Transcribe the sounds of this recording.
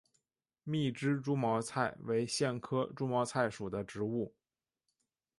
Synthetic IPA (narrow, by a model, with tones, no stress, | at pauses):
mi˥˩ʈ͡ʂɻ̩˥ʈ͡ʂu˥mɑ˧˥ʊt͡sʰa˥˩ɪwe˧˥ɪɕjɛ˥˩nkʰɤ˥ʈ͡ʂu˥mɑ˧˥ʊt͡sʰa˥˩ɪʂu˨˩d̪ə˦ʈ͡ʂɻ̩˧˥u˥˩